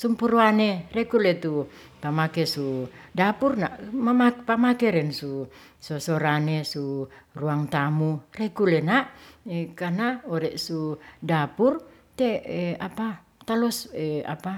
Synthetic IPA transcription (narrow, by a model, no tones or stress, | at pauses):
sumpuruanerɛkulɛt̪u | pamakɛsudapurna̰ʔmamapamakɛɾɛnsu | sɔsɔɾanesuruaŋt̪amurɛkulɛnaʔekanaɔɾɛʔsudapur | t̪ɛɛapa | t̪alɔsɛa̰pa